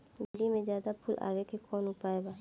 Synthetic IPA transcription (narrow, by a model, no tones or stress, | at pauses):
ɡəɖimẽd͡ʒjaːd̪apʰulʔa̰ːʋekekɔːnʊpaːebaː